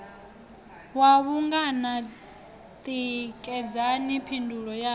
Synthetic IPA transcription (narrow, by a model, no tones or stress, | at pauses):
waβuŋɡana | t̪ʼikʼɛd͡zanipʰindʱuɺɔja